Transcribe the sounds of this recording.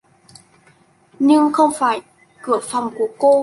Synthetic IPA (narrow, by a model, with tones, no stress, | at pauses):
ɲɨ˧ŋxə˧wŋ͡mfaː˧˩j | kɨ˧˩əfa˨˩wŋ͡mku˧˩əko˧